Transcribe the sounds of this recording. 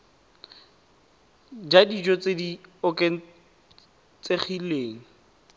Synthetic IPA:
d͡ʒadid͡ʒɔt͡sediɔkʼeŋ̩ | t͡seχileːŋ̩

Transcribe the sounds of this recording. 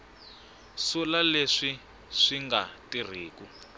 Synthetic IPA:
sulaleʂi | ʂiŋɡatir̤iːku

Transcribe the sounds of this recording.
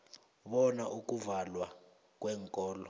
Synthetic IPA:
ɓɔnaʔuk̬ʼuvalwa | k̬ʼwɛːŋkʼɔːlɔ̰

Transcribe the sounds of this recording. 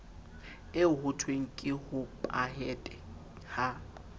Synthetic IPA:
ɪʊhʊtʰweŋ̩kʼɪhʊpʼa̰hɛtʼɛ | ha

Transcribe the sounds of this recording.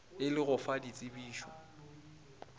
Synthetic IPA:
ɪlɪɣʊfadit͡sʼɪbiːʃwɔ̰

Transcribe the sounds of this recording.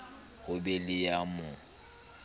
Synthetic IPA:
hʊbɛlɪjamʊ

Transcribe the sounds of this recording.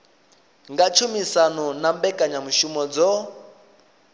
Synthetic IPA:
ŋɡat͡ʃʰumisanɔnambɛkʼaɲamuʃumɔd͡zɔ

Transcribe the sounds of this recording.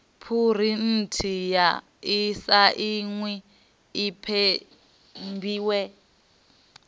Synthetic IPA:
pʰur̤in̩tʰija | isaʔiŋwɛ | ipʰɛ | mbiːwɛ

